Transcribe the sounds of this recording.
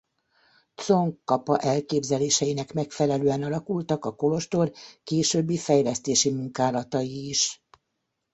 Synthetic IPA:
t̪t͡so̞ŋkːɒpɒʔɛlkeːbzɛleːʃɛjinɛkmɛkfɛlɛløːɛnɒlɒkult̪ɒkɒko̞lo̞ʃt̪o̞rkeːʃøbːifɛjlɛst̪eːʃimuŋkaːlɒt̪ɒjiːʃ

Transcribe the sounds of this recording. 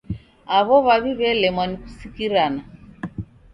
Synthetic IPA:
aβɔβaβiβɛlɛmwanikusikiɾana

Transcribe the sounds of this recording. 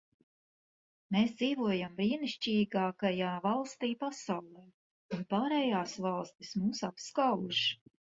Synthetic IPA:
meːsd̪ziːvuɔjambɾiːniʃt͡ʃiːɡaːkajaːvalˠst̪iːpasawlˠɛː | unpaːɾɛjaːsvɑlˠst̪ismuːsapskawuʃ

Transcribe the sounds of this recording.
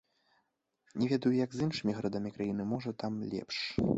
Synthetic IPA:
nʲɛvʲɛd̪ɐjujɐɡzɨnʂɨmʲiɣɾad̪amʲikɾajin̪ɨmɔʐɐt̪amlʲɛ̰pʂ

